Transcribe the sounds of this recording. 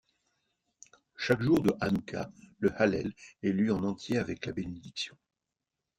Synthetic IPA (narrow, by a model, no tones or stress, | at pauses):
ʃakʒuʁd̪əʔanukʰa̰ləhalɛ̰lɛlɥiɑ̃nɑ̃t̪jeavɛklabened̪iksjɔ̃